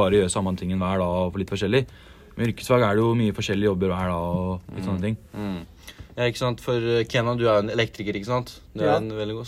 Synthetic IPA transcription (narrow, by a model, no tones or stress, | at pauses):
ɑːɾəjøːɾəsɑmːənt̪ɪŋːɛnʋæːɖɑɔfɔɭɪt̪ːfɔʂɛlːɪ | mɛ̰ʏɾkə̥sʋɑːɡæɖɛjʊmyːəfɔʂɛlːɪəjɔbːəɾʋæːɖɑɔlɪt̪əsɔnːət̪ɪŋː | jɑːɪkːəsɑnt̪fɔɾkʰɛnːɑd̪ʉæɾʊɛnɛlɛk̚t̪ɾɪkəɾɪkːəsɑnt̪d̪ɛɛnʋɛld̪ɪɡu